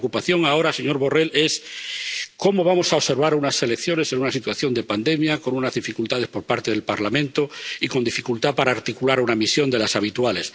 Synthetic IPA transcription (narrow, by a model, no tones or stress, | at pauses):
kupaθjo̞ŋao̞ɾase̞ɲo̞ɾβore̞les | ko̞mo̞β̞amo̞saose̞ɾβ̞aɾunase̞lekθjo̞ne̞senunasit̪waθjo̞nd̪e̞pand̪e̞mjako̞nunazðifikult̪að̞e̞spo̞ɾpaɾt̪e̞ðe̞lpaɾlamẽnt̪oiko̞nd̪ifikult̪apaɾaːɾt̪ikulaɾunamisjo̞nd̪e̞lasaβ̞it̪wale̞s